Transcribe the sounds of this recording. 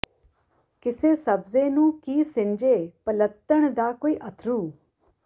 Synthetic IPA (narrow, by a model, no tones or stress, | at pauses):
kɪseːsəbzeːnũːkiːsɪ̃nd͡ʒeːpələt̪ːəɽ̃d̪aːkoːiːʔət̪ʰɾuː